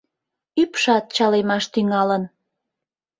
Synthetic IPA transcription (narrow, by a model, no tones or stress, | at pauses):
ypʃɑt̪̚t͡ɕɑlemɑʃt̪yŋɑlən